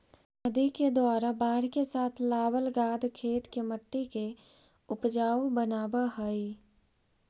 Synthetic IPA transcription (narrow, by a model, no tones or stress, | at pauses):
əd̪iked̪waːɾabaːɾkesaːt̪ʰlaːwəlɡaːd̪kʰeːt̪keməʈːikeʊpd͡ʒaːubənaːbaɦəi